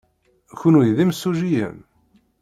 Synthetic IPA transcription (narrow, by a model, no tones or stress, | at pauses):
çunujðimsːuʒijə̰m